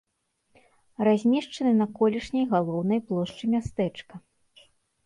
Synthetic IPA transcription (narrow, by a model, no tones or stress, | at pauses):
razʲmʲɛʂt͡ʂɐnɨnɐkɔlʲiʂnʲɐjɣalˠɔwnɐjplˠɔʂt͡ʂɨmʲast̪ɛt͡ʂkɐ